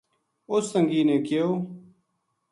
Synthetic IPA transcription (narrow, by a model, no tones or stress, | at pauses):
ost̪əŋɡiːnẽːkɪjoː